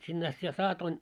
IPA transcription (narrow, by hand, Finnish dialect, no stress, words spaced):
sinːe ɑst sitæ sɑːtoin